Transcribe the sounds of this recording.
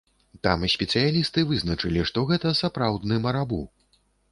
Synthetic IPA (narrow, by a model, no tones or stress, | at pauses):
t̪a̰misʲpʲɛt̪sɨjalʲist̪ɨvɨznɐt͡ʂɨlʲiʂt̪ɔɣɛt̪ɐsapɾawd̪nɨmɐɾabu